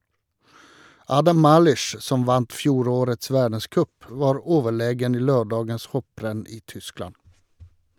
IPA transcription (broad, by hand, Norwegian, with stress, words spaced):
ˈɑːdɑm ˈmɑːlʏʃ ˈsɔm ˈʋɑnt ˈfjuːɾoːɾəts ˈʋæːɖəˌskœp ˈʋɑːɾ ˈoːʋəˌɭeːɡən ˈiː ˈløːɖɑːɡəns ˈhɔpɾɛn ˈiː ˈtʏˌsklɑn